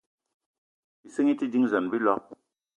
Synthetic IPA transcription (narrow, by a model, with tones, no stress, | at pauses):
bi˨sɨ˦ŋi˦ti˦di˦ŋzə˨nbi˦lɔ˦˨k̚